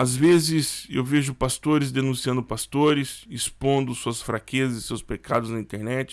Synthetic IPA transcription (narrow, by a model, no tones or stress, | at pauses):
azvezɪsewveʒʊpast̪oɾɪzd̪enũsiɐ̃nd̪ʊpast̪oɾɪsispõnd̪ʊsuɐsfɾakezɐzɪsewspekʰad̪ʊznɐĩt̪eɾnɛt͡ʃɪ̥